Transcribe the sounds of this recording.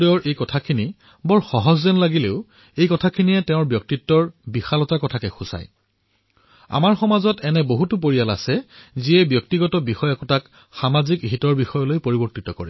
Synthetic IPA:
dɔjɔɹʔejkɔtʰakʰini | bɔɹxɔɦɔzzɛnlaɡileʊ | ejkɔtʰakʰiniɛtɛʊ̃ɹbjɔk̚titːɔɹbixalɔtakɔtʰakɛxusa̰j | a̰maɹxɔmazɔtɛnɛboɦutʊp̬oɹijala̰sɛziɛbjɔk̚tiɡɔtɔbixɔjakɔtak | xamazikɦitɔɹbixɔjɔlojpoɹibɔɹtitɔkɔ̰ɹɛ

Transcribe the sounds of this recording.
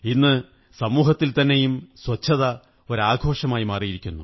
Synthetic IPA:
inːɨ | sɐmuːɦɐt̪ːilt̪ɐnːe̞jumswɐt͡ɕʰːɐðɐ | o̞ɾaːɡʱo̞ːʂɐmaːjimaːrijiɾikʲːunːu

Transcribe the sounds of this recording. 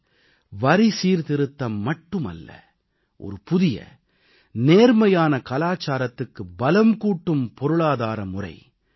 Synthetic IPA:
ʋɐɾisiːɾt̪ɪɾɯt̪ːɐmːɐʈːɯmɐ̰lːɐ̰ | ʔɔ̰ɾɯpʊðɪjɐ̰ | neːɾmɐjaːnɐkɐlaːt͡ʃːaːɾɐt̪ːɯkːɯbɐlɐmkuːʈːɯmpɔɾɯɭaːðaːɾɐmʊrɐ̰ɪ

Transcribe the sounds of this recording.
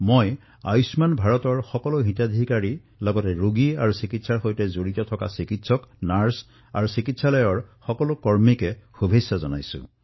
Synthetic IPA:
moj | a̰jsmanbʱaɹɔtɔɹxɔkɔlʊɦitadʱikaɹi | lɔɡɔtɛɹuɡiaɹusikitsaɹxojtɛzoɹitɔtʰɔka̰sikitsɔknaɹs | a̰ɹusikitsalɔjɔɹxɔkɔlʊkɔɹmikɛxubʱesːazɔna̰jsʊ̰̃

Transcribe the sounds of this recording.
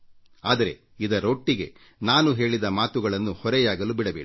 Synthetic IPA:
aːd̪ɐɾe̞ | id̪ɐɾoːʈːiɡe̞̰ | naːnuɦe̞ːɭid̪ɐmaːt̪uɡɐɭɐnːuhɔɾɛjaːɡɐlubiɽɐbeːɽi

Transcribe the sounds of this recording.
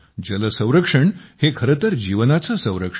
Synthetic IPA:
d͡ʑələsə̃w̃ɾəkʂəɳhekʰəɾət̪əɾd͡ʑiʋnat͡səːsə̃w̃ɾəkʂ

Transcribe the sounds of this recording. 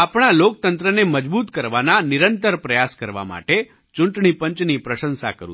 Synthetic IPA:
apɳ̃alok̚t̪ənt̪ɾəneməd͡ʒbut̪kəɾʋananɪɾənt̪əɾpɾəjaskəɾʋa̰ma̰ʈe | t͡ʃuɳʈɳipəɲt͡ʃnipɾəʃə̃nsa̰kəɾṵ

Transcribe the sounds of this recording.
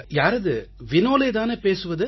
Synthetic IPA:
jaːɾɐðɯʋɪnoːlɐɪt̪aːnɯpeːsɯʋɐðɯ

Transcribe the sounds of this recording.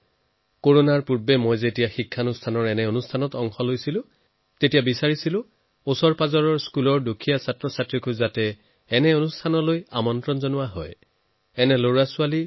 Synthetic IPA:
koɹonaɹpuɹbɛmojzetijaxikʰːanustʰanɔɹɛnɛonustʰanɔtɔŋxɔlojsilʊ̃ | tetijabisaɹisilʊ̃ | osɔɹpazɔɹɔɹskulɔɹdukʰijasatɹɔsatɹikuzatɛː | nɛonustʰanɔloja̰mɔntɹɔnzɔnʊwaɦɔ̰j | ɛnɛloɹasʊali

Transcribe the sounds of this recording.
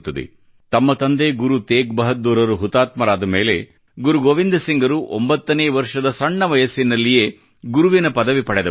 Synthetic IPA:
t̪ːɐd̪ḛ | t̪ɐmːɐt̪ɐnd̪eːɡuɾut̪eːk̚bɐɦɐt̪ːuːɾɐɾuɦut̪aːt̪mɐɾaːd̪ɐmeːle | ɡuɾuɡoːʋind̪ɐsiŋɡɐɾuʔo̰mbɐt̪ːɐneːʋɐɾʂɐd̪ɐsɐɳːɐʋɐjɐsːinːɐlːije̞ː | ɡuɾuʋinɐpɐd̪ɐʋipɐɽed̪ɐ

